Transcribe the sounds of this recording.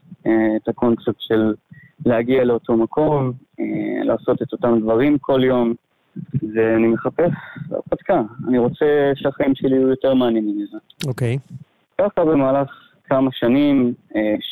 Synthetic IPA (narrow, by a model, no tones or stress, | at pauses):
eet̪ako̞nt͡sep̚t̪ʃe̞lː | eaɡiale̞o̞tʰo̞makʰo̞mela̰ːso̞t̪e̞to̞tamd̪vaʁimkʰo̞ljo̞m | veanimeχape̞sa̰pat̪kaaniʁo̞t͡seʃeaχaimʃeliujo̞te̞ʁmaaninimizaokej | kaχabe̞maːlaχ | kamaʃanime